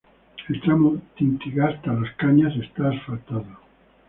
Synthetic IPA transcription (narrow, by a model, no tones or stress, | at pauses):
elt̪ɾamot̪int̪iɣast̪alaskaɲasest̪aːsfat̪aðo